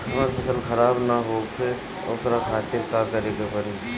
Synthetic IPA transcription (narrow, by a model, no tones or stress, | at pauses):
hɐmaːɾpʰɐsəlxɐɾaːbnaɦoːpʰe | ʊkɾaːkʰaːt̪ɪɾkaːkəɾeːɡapəɾiː